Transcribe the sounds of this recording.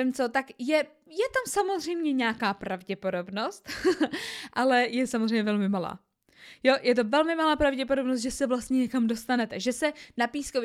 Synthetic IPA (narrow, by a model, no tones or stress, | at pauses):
ɪmt͡so̞t̪akjɛ | jɛt̪amsamo̞zr̝ɛjmɲɛɲaːkaːpɾavɟɛpo̞do̞bno̞st̪ | ʔalɛjɛsamozrɛjmɲɛvɛlmɪmala̰ː | jo̞jɛt̪̬o̞vɛlmɪmalaːpɾavɟɛpodobnos̬t̪̚ʒɛsɛvlast̪ɲɛɲɛkamdo̞st̪anɛt̪ɛʒɛsɛnapiːskov